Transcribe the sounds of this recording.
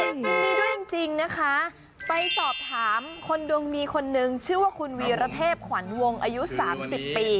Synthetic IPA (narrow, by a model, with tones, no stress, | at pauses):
ɯ˥˩əŋt͡ɕi˧ŋna˦˥kʰa˦˥ | pa˧jsɔː˨˩p̚t̪ʰaː˩˦mkʰo˧ndu˧əŋniː˧˥kʰo˧nːɯ˨˧ŋt͡ɕʰɯː˥˩waː˥˩kʰu˧nwiː˧ɾa˧˥t̪ʰeː˥˩p̚kʰwa˩˦nwo˧ŋʔaː˧ju˦˥saː˩˦msi˨˩pːiː˧